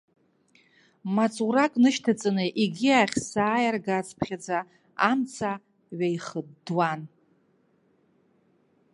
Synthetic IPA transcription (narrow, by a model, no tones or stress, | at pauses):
mat͡sʼuɾakʼnɨʃtʰat͡sʼɨnɨʔiɡʲiaχʲsaːjarɡat͡sʼpʰχʲad͡za | amt͡sʰa | ɥajχədːwan